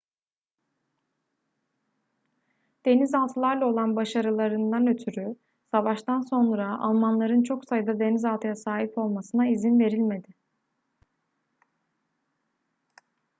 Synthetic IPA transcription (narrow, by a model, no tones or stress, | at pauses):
d̪̥e̞nizalˠt̪ʰɯlˠaɾlˠao̞lˠanbaʃaɾɯlˠaɾɯnd̪anø̞t̪ʰyɾy | savaʃt̪anso̞nɾaa̰lˠmanlˠaɾɯnt͡ʃʰo̞ksajɯd̪ad̪e̞nizalˠt̪ʰɯjasaːɦipo̞lˠmasɯnaizinve̞ɾilʲme̞d̪ɪ